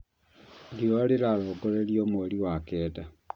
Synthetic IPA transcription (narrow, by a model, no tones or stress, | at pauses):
dioleɾaɾɔɡoɾeɾiomoɾiwakɛːda